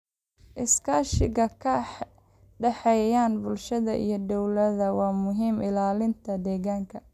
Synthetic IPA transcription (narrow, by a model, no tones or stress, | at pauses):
ʔɪskʰaːʃɪɣɐkʰɐħ | ɖɛħɛjaːnbʊlʃɐðɐ̰ʔḭjɞd̪ɔwlɐðɐwɑːmʊɦiːmɪlaːlɪnt̪ʰɐd̪ɛːɣaːŋkʰɐ